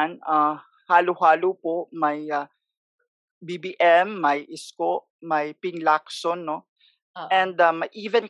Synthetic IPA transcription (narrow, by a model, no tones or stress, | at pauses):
na | haːlʊɦaːlopoʔmɐja | bibiːʔɛmːɐjʔɪskoʔmɐjpɪŋlaksonːo | ʔɛnd̪amɐjʔiːvɛn